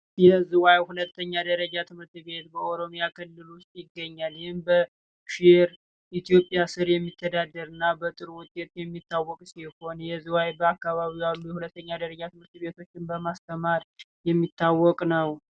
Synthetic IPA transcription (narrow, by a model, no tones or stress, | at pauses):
jɛzuwajhulət̪ʰːəɲːad̪əɾəd͡ʒat̪ʰɨmɨɾt̪ɨβe̞t̪bəoɾo̞mijakʰɨlːɨlwʊst̪ʼjɪɡːəɲːalhɪmbə | ʃɪɾ | ʔit̪ʰijo̞pʼjasɨɾjɛmːit̪ʰːəd̪ad̪ːəɾɨnːabət̪ʼɨɾwʊt͡ʃʼːet̪jɛmːit̪ʰːawːɔkʼsiho̞njɛzuwajbəakːaβaβijalːujɛhulət̪ːəɲːad̪əɾəd͡ʒat̪ʰɨmɨɾt̪ɨβe̞t̪ʰo̞t͡ʃːɪnbəmast̪ʰəmaɾjɛmːit̪ʰːawːɔkʼnəw